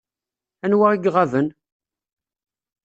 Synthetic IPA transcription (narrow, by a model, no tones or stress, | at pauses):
ænwaiɡʁavən